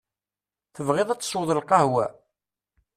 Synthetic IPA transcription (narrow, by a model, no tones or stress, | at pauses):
θəvʁeðˤæt͡sːə̥sˤwəðˤəlqɑhwæ